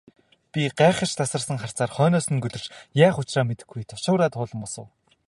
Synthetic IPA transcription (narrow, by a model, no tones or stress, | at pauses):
pʲiɢæːχə̆r̥t͡ɕt̪ʰasə̆rsə̆ŋχar̥t͡saːrχœːnɔːsɵ̆ŋɡɵɮɵ̆rt͡ɕjaːχʊt͡ɕraːmet̪ɘ̆ɡːujt̪ʰʊ̥ʃʊːɾaːt̪ʰʊːɮə̆mpɔsə̆w